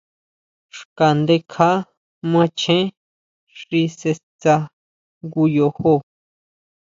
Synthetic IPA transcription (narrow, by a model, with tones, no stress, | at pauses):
ʂka˨nd̪e˧˦kʰa˦ | mã˧t͡ʃʰẽ˦ | ʂi˧se˧t͡sa˧ | ŋɡu˧jo˧ho˧˨